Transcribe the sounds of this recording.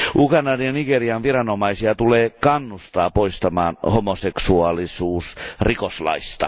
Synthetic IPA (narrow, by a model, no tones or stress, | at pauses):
ʔukɑnːɑniɑniɡeriɑnʋirɑnomɑisiɑt̪uleːkɑnːust̪ɑːpoist̪ɑmɑ̰ːnhomoseksuɑlisuːsrikoslɑ̰ist̪ɑ̰